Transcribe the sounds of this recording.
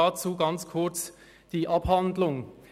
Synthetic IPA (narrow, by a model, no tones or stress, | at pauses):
at͡suːɡɑnt͡skʰʊɐt͡s | d̥iːʔɑphandlʊŋ